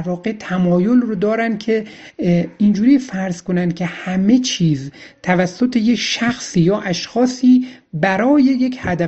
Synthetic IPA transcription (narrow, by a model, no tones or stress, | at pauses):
ɾvɒːɣe̞t̪ʰæmɒːjo̞lrod̪ɒːɾænd̪̚kʲʰe̞ | ind͡ʒuːɾiːfæɾzko̞nænd̪̚cʰʲe̞hæme̞t͡ʃʰiːzt̪ʰævæsːot̪ʰe̞je̞kʃæxsiːjɒːʔæʃxɒːsiːbæɾɒːje̞jecʰhæd̪æ